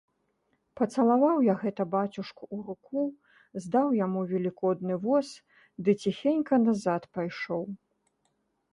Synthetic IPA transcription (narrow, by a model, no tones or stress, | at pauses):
pɐt̪sɐlˠavawjaɣɛt̪ɐbat͡sʲuʂkuuɾuku | zd̪awjamuvʲɛlʲikɔd̪nɨvɔs | d̪ɨt͡sʲixʲenʲkɐnazat̪pajʂɔw